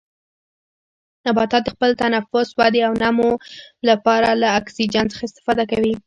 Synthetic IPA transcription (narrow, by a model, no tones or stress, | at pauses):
nabɑt̪ɑt̪d̪əxpəlt̪anafʊswɑd̪iawnamolapɑɾalaːksid͡ʒant͡sə̥xaɪst̪ɪ̥fɑd̪akawi